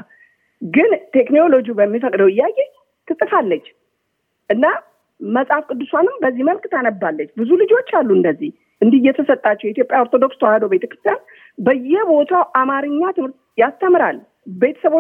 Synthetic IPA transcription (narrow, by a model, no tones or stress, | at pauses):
ɡɨnt̪ʰe̞knolo̞d͡ʒiubəmːifəkʼd̪əwɪjːakʼe | t̪ʰɨsʼɨfalːət͡ʃː | ʔɨnːa | məsʼafkʼɨd̪ːɨswanɨmbəzːiməlkt̪ʰanəbːalːət͡ʃːbɨzulɨd͡ʒo̞t͡ʃːalːuɨnd̪əzːih | ʔɨnd̪ijɛt̪ʰəsət̪ʼːat͡ʃːɛwjɛit̪jo̞pʼjaoɾt̪ʰo̞d̪o̞kst̪əwahəd̪obe̞t̪ʰə̥kɾɨst̪jan | bəjːɛbo̞t̪ʰawʔamaɾɨɲːat̪ʰɨmhɨɾt̪̚jast̪ʰːəmɾal | be̞t̪ʰə̥səβo